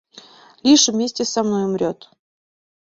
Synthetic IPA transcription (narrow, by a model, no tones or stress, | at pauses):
lʲiʂvmʲesʲtʲɪsamnojʊmɾʲot̪